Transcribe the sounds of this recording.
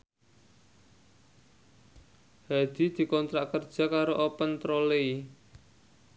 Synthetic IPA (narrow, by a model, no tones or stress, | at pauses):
had̪̥i̤d̪̥i̤kɔnt̪ɾaʔkərd̥ʒ̥a̤kaɾoʔopənt̪ɾolei